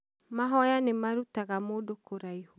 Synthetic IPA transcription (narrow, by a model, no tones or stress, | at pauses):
maɦɔjanemaɾutaɣamodokoɾaiho